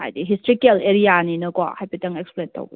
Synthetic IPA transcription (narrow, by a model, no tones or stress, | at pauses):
a̰jdiɦistɾikɛleɾianinɐkɔa̰ʔhajpetɐŋɛksplentɐ̰w